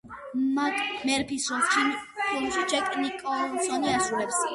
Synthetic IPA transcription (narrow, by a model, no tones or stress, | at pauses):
makʼmɛɾpʰisɾɔst͡ʃʰinpʰilˠmʃit͡ʃʰɛkʼnikʼɔsɔniasɾulɛps